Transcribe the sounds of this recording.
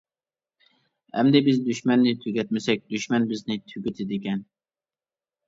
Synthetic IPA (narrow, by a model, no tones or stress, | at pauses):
æ̰md̪ɛbɪzd̪yʃmɛnːɪt̪ʰyɡʲɛt̪̚mɪsɛk̚ʲd̪̥yʃmɛnbɪznɪt̪ʰyɡʲɪt̪ɪd̪ɪkʲɛn